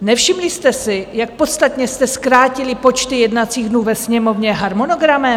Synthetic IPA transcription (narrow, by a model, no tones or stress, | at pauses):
nɛfʃɪmlɪst̪ɛsɪjak̚po̞t̪st̪at̪ɲɛst̪ɛskɾaːcɪlɪpo̞t͡ʃt̪ɪjɛdnat͡siːɣdnuːvɛsɲɛmo̞vɲɛɦaɾmono̞ɡɾamɛ